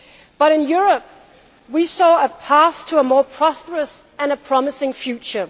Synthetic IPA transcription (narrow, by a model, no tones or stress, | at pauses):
b̥ʌɾɨ̃njʊɹəp̚ | wisɔəpʰæstʰəəmɔɹpʰɹ̥ɑspəɹəsɨ̃nəpʰɹ̥ɑmɨsɪ̃ŋfjʉt͡ʃə